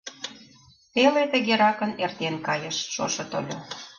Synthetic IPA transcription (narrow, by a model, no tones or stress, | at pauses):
t̪elet̪ə̆ɣeɾɑkə̆nert̪enkɑjə̆ʃʃoʃɤ̆t̪o̰lʲo